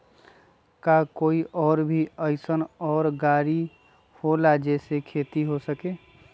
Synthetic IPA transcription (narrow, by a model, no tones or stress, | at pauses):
kakoːiʔɔːɾbʱiəɪsənɔːɾɡaːɾi | holad͡ʒɛsekʰeːt̪iɦosəkeː